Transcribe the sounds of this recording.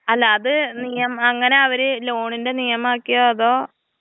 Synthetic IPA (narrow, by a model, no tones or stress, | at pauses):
ɐlːaːðɨnijɐmɐŋːɐne̞ɐʋɐɾɨlo̞ːɳinde̞nijɐmaːkːijoɐðo̞ː